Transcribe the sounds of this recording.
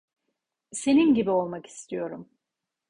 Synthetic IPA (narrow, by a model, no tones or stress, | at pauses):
se̞ninɟibio̞lˠmaki̥st̪ʰijo̞ɾum